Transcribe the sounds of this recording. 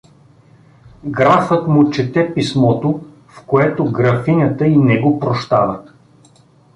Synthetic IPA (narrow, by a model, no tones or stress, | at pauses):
ɡɾafət̪mʊt͡ʃɛt̪ɛpismɔt̪o | fkoɛt̪oɡɾɐfinʲət̪əinɛɡopɾoʃt̪avə